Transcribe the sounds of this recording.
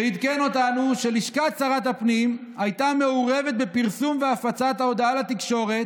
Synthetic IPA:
eid̪keno̞tanuʃe̞liʃkat͡saʁat̪hapnimajt̪ame̞uʁeve̞t̪̚bepiʁsumveafat͡sat̪aod̪alat̪ikʃo̞ʁe̞t̪

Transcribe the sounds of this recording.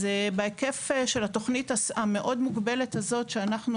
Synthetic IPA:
zebeekefeʃelat̪o̞χnitaame̞ʔo̞dmuɡbe̞lethazo̞tʃeanaχnu

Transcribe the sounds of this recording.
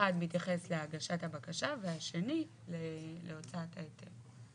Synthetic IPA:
admitjaχesleaɡaʃathabakaʃaveaʃe̞ni | leleo̞t͡saathaetʰev

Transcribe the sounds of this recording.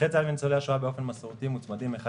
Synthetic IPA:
et͡salvint͡soleaʃoabe̞ofe̞nmaseʁut̪imut͡smad̪imeχa

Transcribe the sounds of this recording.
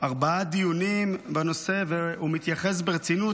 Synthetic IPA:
ʔaʁbaad̪ijunimbano̞se̞veumit̪jaχes̬beʁet͡sinu

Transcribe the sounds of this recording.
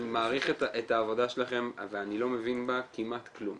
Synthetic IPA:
maːʁiχetʔetaːvo̞daʃelaχe̞mveanilo̞me̞vinbakimat̪klum

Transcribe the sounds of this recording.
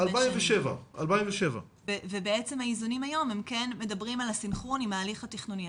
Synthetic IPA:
alpaimveʃevaʔalpaimveʃeva̰ | evebeet͡se̞mhaizunimajo̞mhemkenme̞dɐbʁimalasinχonimaːliχhatiχnuni

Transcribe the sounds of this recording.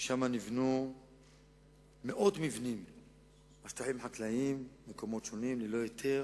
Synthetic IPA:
ʃamanivnu | me̞ʔo̞d̪mivnim | maʃt̪aħimħaklaimːekomo̞t̪ʃo̞nimlelo̞jot̪ʰe̞ʁ

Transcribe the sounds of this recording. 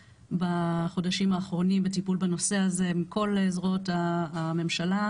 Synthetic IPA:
baχo̞daʃimaːχʁo̞nimbetipulbano̞seaze̞mikʰo̞lezʁo̞taːme̞mʃala

